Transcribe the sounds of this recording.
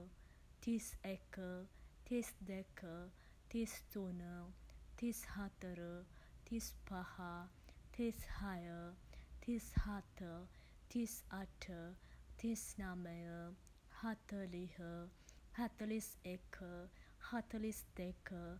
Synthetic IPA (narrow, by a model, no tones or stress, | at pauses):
t̪isekət̪isd̪ɛkʰə | t̪isd͡zonət̪ishat̪əɾət̪ispahat̪ʰishajət̪ʰishat̪ə | t̪isaʈʰət̪isnaməjə | hat̪əliɦəhat̪əlisekʰəhat̪əlisd̪ekə